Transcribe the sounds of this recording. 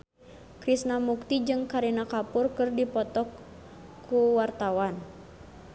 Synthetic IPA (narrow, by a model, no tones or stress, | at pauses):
kɾisnamuk̚t̪id͡ʒɨŋkaɾinakapurkɨrdipɔt̪ɔkʰː | uwart̪awan